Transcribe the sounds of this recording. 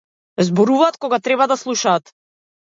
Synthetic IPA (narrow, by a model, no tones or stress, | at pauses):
zbɔɾuvaːt̪̚kɔɡat̪ɾɛbad̪aslˠuʃaːt̪